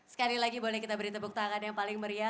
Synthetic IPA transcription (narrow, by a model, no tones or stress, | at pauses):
sə̥kalilaɡibolɛhkit̪abəɾit̪abuk̚t̪aaŋanjaŋpalɪŋməɾia